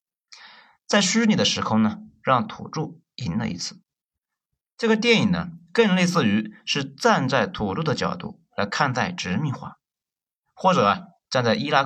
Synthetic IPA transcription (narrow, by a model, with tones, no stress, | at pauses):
t͡sa˥˩ɪɕy˥ni˨˩d̪ə˦ʂɻ̩˧˥kʰʊ˥˧ŋnə˩ɻɑ˥˩ŋt̪ʰṵ˨˩ʈ͡ʂu˥˩ | i˧˥nlə̰˧ḭ˧˥t͡sʰɹ̩̥˥˩ | ʈ͡ʂɤ˥˩ɡə˩t̪̬jɛ˥˩ni˨˩ŋnə̰˦kə˥˧ŋle˥˧ɪsɹ̩˥˩y˧˥ʂɻ̩˥˧t͡sa˥˧nt͡sa˥˩ɪt̪ʰu˨˩ʈ͡ʂu˥˩d̪ə˩t͡ɕjɑ̰˨˩ʊt̪ṵ˥˩ | la˧˥ɪkʰa˥˧nt͡sa˥˩ɪʈ͡ʂɻ̩˧˥mi˥˧ŋxwa̰˥˩ | xwɔ˥˩ʈ͡ʂɤ˨˩ɐ˧˩ | ʈ͡ʂa˥˧nt͡sa˥˩ɪʔi˥la˥